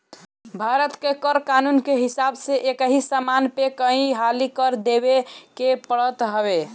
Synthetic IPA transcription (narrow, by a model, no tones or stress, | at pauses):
bʱaɾət̪kekəɾkanunkeɦisabseʔekəɦisamanpekəɦĩɦalikəɾd̪ebekepəɽət̪ɦəbe